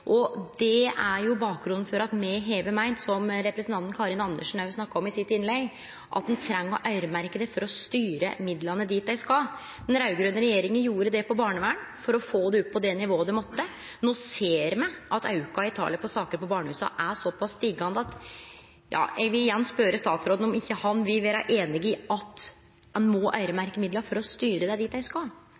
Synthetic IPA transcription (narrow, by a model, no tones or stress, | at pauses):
ʔɔd̪ɛæɾjʊbɑːk̚ɡɾʉnn̩fɔɾɑt̪mɛɦeːʋəmæɪnsɔmɾɛpɾəsnt̪ɑnt̪n̩kʰɑːɾɪnɑnd̪əʂn̩ɑɾʋɪsnɑkːɑɔmɪsɪt̪ːɪnlɛɡ | ʔɑ̰t̪̚d̪ɛnt̪ʰɾɛŋːɔ̰ʔɑʏɾmæɾkəd̪ɛfɔɾɔst̪yːɾəmɪd̪lɑnəd̪iːt̪̚d̪æɪskɑl | d̪̥ɛnɾɑʉɡɾʉnːəɾɛjeːɾɪŋənjuːɾəd̪ɛpɔbɑːɳəʋæːɳ | fɔɾɔfoːd̪ɛʉt̪ːpːɔd̪ɛnɪʋoːəd̪ɛmɔt̪ːə | noːseːɾmæɪʔɑt̪ɑ̰ʉkɑɪt̪ʰɑ̰ːlɪəpʰɔsɑːkəɾpɔbɑːɳəhʉːsɑ̰ʔæsɔpʰɑst̪ɪɡɑnd̪əɑt̪ | jɑ̰ːjæɡʋɪlɪjɛnːspøːɾəst̪ɑːt̪sɾoːd̪n̩ɔmɪçːəhɑnʋɪlʋeːɾɑ̰ʔeːnɪɡɪɑt̪ | d̪ɛnmɔːʔɑʏɾəmæɾkəmɪd̪lɑfɔɾɔst̪yːɾəd̪æɪd̪iːt̪d̪æɪskɑ